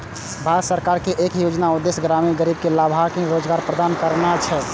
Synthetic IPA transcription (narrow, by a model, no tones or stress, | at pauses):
bʱaɾət̪səɾkaɾkeʔekjod͡ʒnaud̪ːesɡɾamiɡəɾib̚kelabʱakẽɾod͡ʒɡaɾpɾəd̪ankəɾnat͡ʃʰɛ